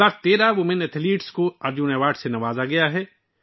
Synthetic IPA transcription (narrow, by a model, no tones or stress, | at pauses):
aːɾt̪eːɾaʋʊmɪ̃nɛt̪ʰliːʈskoɐɾd͡ʒuːneʋaːʈsenɐʋaːzaɡɐjaɦɛː